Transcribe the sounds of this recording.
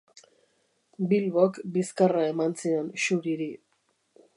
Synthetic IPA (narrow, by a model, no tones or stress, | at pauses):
bilβokbiskarae̞mansienʃuɾiɾi